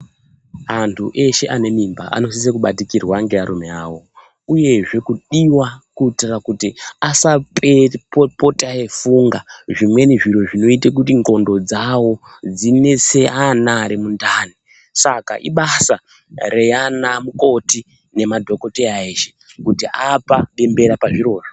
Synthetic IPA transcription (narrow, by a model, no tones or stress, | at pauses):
antʰuʔe̞ʃe̞ʔane̞mimba̰ʔa̰no̞s̬is̬ekuɓatikirwaŋɡe̞aɾume̞aːwo̞ | uje̞ʐe̞kuɗiwakuitirakutiasapepo̞taefuŋɡaʐimwe̞niʐiɾo̞ʐino̞itek̬utiŋɡo̞ndo̞d͡zawo̞ | d͡zine̞se̞ʔanaɾimundaːni | saka̰ʔiɓasa | re̞janamuko̞ti | ne̞madʱo̞ko̞teaeːʃekutiapaɗe̞mbe̞ɾapaʐiɾo̞ːro̥